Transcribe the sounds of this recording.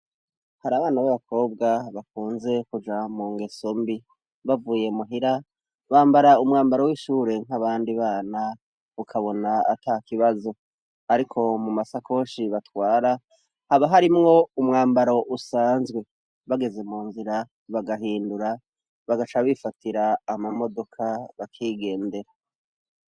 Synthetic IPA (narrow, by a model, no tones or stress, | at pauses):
haɾaːβaːnaβaβakʰo̞ːb̚ɡaβak̚uːnze̞kud͡ʒamuːŋɡe̞sombi | βavuːje̞muɦiɾa | βaːmbaɾaumŋaːmbaɾo̞wiʃuːɾe̞ŋ̥aβaːndiβaːna | ukʰaβo̞naa̰takiβazo̞ | aɾikʰo̞mumasako̞ːʃiβatwaːɾa | haβaɦaɾimŋo̞umŋaːmbaɾo̞ʔusaːnzɡwe̞ | βaɡe̞ze̞muːnziɾa | βaɡaɦiːnduɾa | βaɡat͡ʃaβifatiɾaːmamo̞do̞kʰaβakʰiːɡe̞ːnde̞ɾa